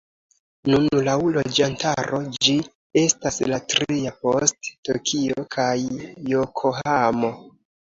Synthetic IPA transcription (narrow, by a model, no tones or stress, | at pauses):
nunlawlo̞d͡ʒantaɾo̞d͡ʒi | e̞staslatɾiapo̞stːokʰiokʰajːokʰoɦamo̞